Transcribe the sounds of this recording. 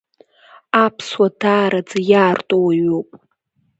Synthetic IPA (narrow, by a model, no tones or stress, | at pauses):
apʰswadaːɾad͡zajaːrtʼowaɥopʼ